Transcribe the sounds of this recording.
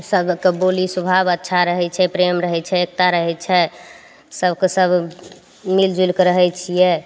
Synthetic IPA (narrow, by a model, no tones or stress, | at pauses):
səbkebolisubʱabətːʃʰaɾəɦɛt͡ʃʰɛpɾemɾəɦɛt͡ʃʰɛek̚t̪aɾəɦɛt͡ʃʰɛ | səbkesəb | mild͡ʒulkɾəɦɛt͡ʃʰijɛ